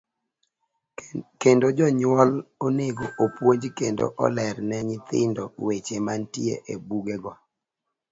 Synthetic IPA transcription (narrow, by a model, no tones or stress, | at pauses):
kendod͡ʒɔɲwɔloneɡoʔopwoɲd͡ʒkendo̰ʔɔ̰lɛɾnɛɲɪt̪ɪ̰ndɔwet͡ʃemantiḛʔebuɡɛɡɔ